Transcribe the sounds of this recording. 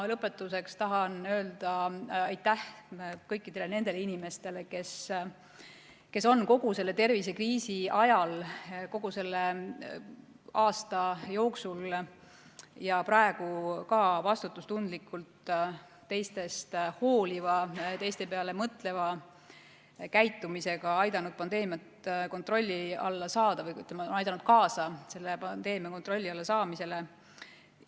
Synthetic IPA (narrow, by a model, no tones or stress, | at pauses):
ɑlɤpːˑe̞t̪ːˑuse̞kst̪ɑɦɑnø̞ːld̪̥ɑɑjt̪ːˑæhkɤjkːˑid̪̥e̞lene̞nd̪e̞leinime̞st̪e̞le̞ke̞s | ke̞so̞nko̞ɡ̥use̞lːe̞t̪e̞rvise̞kriːsiʔɑjɑlko̞ɡ̥use̞lːe | ɑːst̪ɑjo̞ːksul | jɑprɑe̞ɡ̥ukɑːvɑst̪ut̪ːˑust̪und̪likːˑult̪ː | e̞jst̪e̞st̪ho̞ːlʲivɑt̪e̞jst̪epeɑle̞mɤt̪ˑle̞vɑ | kæjt̪ːˑumise̞ɡ̥ɑɑjd̪ɑnud̪̚pɑnd̪e̞ːmjɑt̪ko̞nt̪ro̞lʲːiɑ̰lːɑsɑːd̪̥ɑvɤjkyt̪ːˑemɑonɑjd̪ɑnud̪̥̚kɑːsɑse̞lːepɑnd̪̥e̞ːmijɑko̞nt̪ro̞lʲːiɑlːɑsɑːmise̞le̞